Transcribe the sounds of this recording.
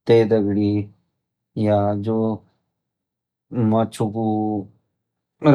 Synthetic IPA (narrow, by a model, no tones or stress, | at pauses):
t̪eːd̪əɡɽi | jad͡ʒoː | mɐt͡ʃʰuku | ɾ